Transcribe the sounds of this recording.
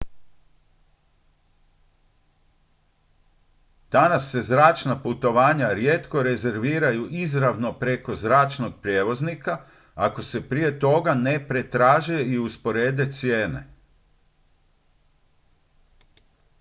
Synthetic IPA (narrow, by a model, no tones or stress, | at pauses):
d̪̥anasːe̞zɾaːt͡ʃnaput̪o̞ʋaːɲaɾjeːt̪ko̞ɾe̞ze̞ɾʋiːɾajuʔizɾaʋno̞pɾe̞ko̞zɾaːt͡ʃno̞ɡ̚pɾjeːʋo̞znika | ako̞se̞pɾije̞t̪o̞ɡane̞pɾe̞t̪ɾaːʒeiuspo̞ɾe̞ːd̪e̞t̪sje̞ːne̞̰